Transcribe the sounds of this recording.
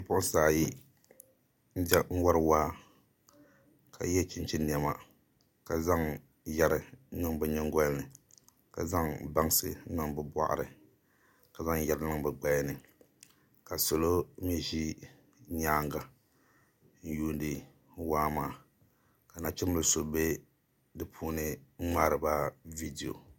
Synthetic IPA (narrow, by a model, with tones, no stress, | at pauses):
pʊ˦ʔʊ˦n˦saː˨ji˦ | n̩˦dɛ˦n̩˦wa˦ɾwaː˦ | kʰa̰˨jɛ˦t͡ʃɪ˦n˦t͡ʃɪ˦ni˨ɛ˨ma̰˨ | ka˨za˦ŋ | jɛ˦ɾɨ˨nɨ˦ŋbɛ˦ɲɛ˦ŋ˦ɡɔ˦lnɨ˨ | ka˨za˦ŋba˦ŋsɨ˦nɨ˦ŋbɨ˦bʷa̰˦ʔa̰˨ɾɨ˨ | ka˨za˦ŋjɛ˦ɾɨ˦nɨ˦ŋbɛ˨ɡ͡ba˦nɨ˨ | ka˨so˨lo˦mi˦ʒi˦ | ɲaː˦ŋɡa˨ | n̩˦juː˦ndɨ˨ | waː˦maː˨ | ka˨na˨t͡ʃɪ˦mɨ˦lso˦be˦ | dɨ˦pʰuː˦nɨ˦ŋ͡maː˦ɾɨ˨ba˦vi˦di˨o̰˨